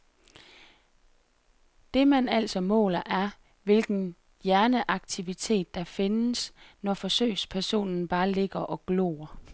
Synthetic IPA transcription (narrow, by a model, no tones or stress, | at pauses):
d̥e̝mænæl̰sɒ̽mɔ̰̽ːlɐʔæɐ | ʋe̝lɡ̥n̩ | jæɐnəʔɑ̈ɡ̥̚t͡sʰiʋit͡sʰe̝̰ːd̥ːɑ̈fe̝nəsnɒfɒ̽sø̰ːɪ̰spʰæɐso̝̰ːnn̩b̥ɑ̈ːle̝ɡ̥ɐʔɒ̽ɡ̥lo̝̰ːɐ